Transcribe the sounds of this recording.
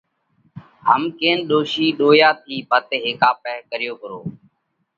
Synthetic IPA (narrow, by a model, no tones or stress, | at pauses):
ɦəmkeːnɗoːʃiːɗoːjaːt̪ʰiːbʱət̪ːɦeːkaːpɛːɦkəɾɪjoːkəɾoː